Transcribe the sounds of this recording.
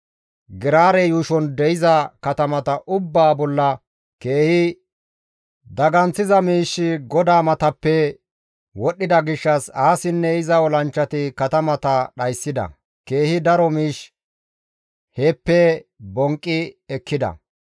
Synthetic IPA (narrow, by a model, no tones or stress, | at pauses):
ɡɪɾaːɾɛjuːʃɔnd̪ɛjɪzɐkɐt̪ɐmɐt̪ɐʔʊbːaːbɔlːɐ | ke̞ːhɪ | d̪ɐɡɐnt͡sːɪzɐmiːʃːɪɡɔd̪aːmɐt̪ɐpːɛ | wɔɗːɪd̪ɐɡɪʃːɐsaːsɪnːɛɪzɐɔlɐnt͡ʃːɐt̪ɪkɐt̪ɐmɐt̪ɐɗɐjsːɪd̪ɐ̰ | ke̞ːhɪd̪ɐɾɔmiːʃ | heːpːɛbɔŋkʼːɪɛkːɪd̪ɐ̰